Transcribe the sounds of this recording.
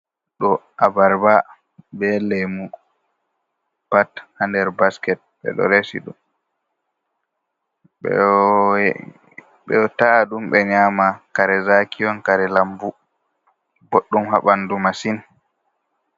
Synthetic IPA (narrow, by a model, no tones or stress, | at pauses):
ɗɔʔabaɾba | bɛlɛmu | pathandɛɾbaskɛt̚ɓɛ̰ɗɔ̰ɾesḭɗum | ɓɛ̰ | ɓɛ̰taɗumɓɛɲamakaɾɛzakijɔnkaɾɛlambu | boɗːumhaɓandumasin